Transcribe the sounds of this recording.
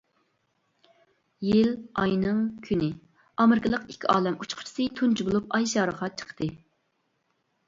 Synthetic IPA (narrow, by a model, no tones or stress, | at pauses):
jilɑjnɨŋkʲʰynɪ | ɑmɪɾɪkəlˠəqikʲʰːiʔɑ̰ːlɛmut͡ʃʰqʰʊ̥t͡ʃʰi̥sɨt̪ʰunt͡ʃʰibolˠup̚ɑjʃɑːɾəʁɑt͡ʃʰə̥qʰt̪ɨ